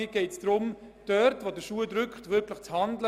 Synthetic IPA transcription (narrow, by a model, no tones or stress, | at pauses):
ɪɡ̥ɛɪtsd̥̪ɾʊm | d̥œɾtʋodəʃuədɾʏkχtʋɪɾkʰləχt͡shɑndlə